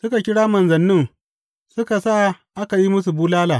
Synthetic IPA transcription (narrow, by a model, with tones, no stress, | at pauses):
sʊ˦ka˨kʲɪ˦ɽaː˦mɐ˨nzɐ˨nːɪ˦ŋ | sʊ˦ka˨saː˦ | ʔa˦ka˨ji˦mʊ˦s̬u˨buː˦laː˦laː˨